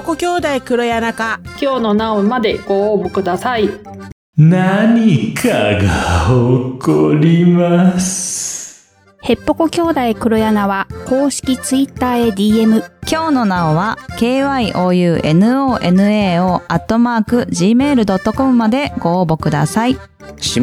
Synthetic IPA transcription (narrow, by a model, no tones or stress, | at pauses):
okokʲo̞ːd̪aikɯ̟ɾo̞janakakʲo̞ːno̞naomad̪e̞ɡ̥o̞ːbokɯ̟d̪asai | naɲ̟ikʰaɡaokoɾʲimasɨ̥ | he̞pːo̞ko̞kʲo̞ːd̪aikɯ̟ɾo̞janaβako̞ːɕi̥kʲit͡sɨit̪ːaːe̞d̪ʲiːe̞mɯ̟kʲo̞ːno̞nao̞βake̞ːβaiʔo̞ːjɯ̟ːʔe̞nɯ̟o̞ːʔe̞nɯ̟e̞ːo̞ːʔat̪ːo̞maːkɯ̟ʑiːme̞ːɾɯ̟d̪o̞t̪ːo̞ko̞mɯ̟mad̪e̞ɡo̞ːbo̞kɯ̟d̪a̰sai | ɕi